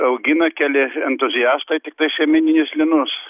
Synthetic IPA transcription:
ɐʊɡʲɪnɐkʲælʲɪɛnt̪ʊzʲɪjæːst̪ɐɪt̪ʲɪk̚t̪ɐɪʃʲɛmʲɪnʲɪnʲɪslʲɪnʊs

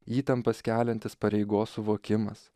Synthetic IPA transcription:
iːt̪ɐmpɐskʲæːlʲɛnt̪ʲɪspɐɾʲɛɪɡoːsːʊʋoːkʲɪmɐ̰s

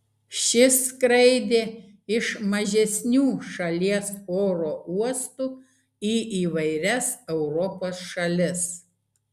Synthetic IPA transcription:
ʃʲɪskɾɐɪd̪ʲeː | ɪʃmɐʒʲɛsʲnʲuːʃɐlʲiɛsoːɾoːuɔst̪uː | iːʔiːʋɐɪɾʲɛsɛʊɾɔpoːsʃɐlʲɪs

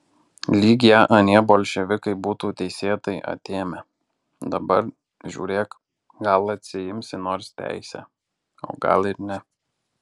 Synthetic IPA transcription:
lʲiːɡʲɪjɛʔɐnʲiɛboːlʲʃʲɛʋʲɪkɐɪbuːt̪uːt̪ʲɛɪsʲeːt̪ɐɪʔɐ̰t̪ʲeːmʲɛ | d̪ɐbɐɾ | ʒʲṵːɾʲeːk | ɡɐlˠɐt̪ʲsʲɪjɪmʲsʲɪnoːɾst̪ʲæ̰ˑɪsʲɛ̰ | o̰ːɡɐ̰lˠɪɾnʲɛ

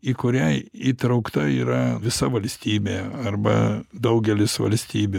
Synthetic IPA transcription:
iːkʊɾʲɛiːt̪ɾɐʊkt̪ɐiːɾɐʋʲɪsɐʋɐlʲsʲt̪ʲiːbʲeːɐrbɐ̰d̪ɐʊɡʲɛlʲɪsʋɐ̰lʲsʲt̪ʲiːbʲʊ

